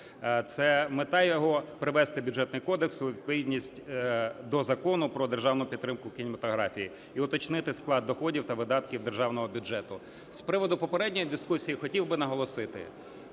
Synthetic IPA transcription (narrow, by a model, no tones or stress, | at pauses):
t̪sɛmet̪ɑjɔɦɔpɾɪʋɛst̪ɪbʲudd͡ʒɛt̪nʊjkɔd̪eksʊʋʲid̪̚pɔʋʲidʲnʲisʲtʲd̪ɔzɐkɔnʊpɾɔd̪erʒɑwnʊpʲidt̪ːɾɪmkʊkʲinʲɪmɐt̪ɔɦɾɑfʲiji | iʊt̪ɔt͡ʃnɪt̪ɪsklˠɑd̪̚d̪ɔxɔdʲiwt̪ɐʋɪd̪ɑt̪kʲiwd̪erʒɑwnɔɦɔbʲʊd͡ʒɛt̪ʊ | spɾɪʋɔd̪ʊpɔpeɾɛdʲnʲɔjid̪ɪskusʲijixɔtʲiwbɪnɐɦɔlˠɔsɪt̪ɪ̰